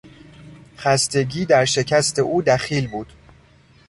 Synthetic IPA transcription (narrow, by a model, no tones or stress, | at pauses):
χæst̪e̞ɟiːd̪æɾʃe̞cʰæst̪ʰe̞ʔuːd̪æχiːlbuːd̪̥